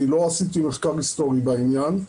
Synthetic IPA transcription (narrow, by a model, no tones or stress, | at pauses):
ilo̞asit̪imuʃkaʁist̪o̞ʁibainjan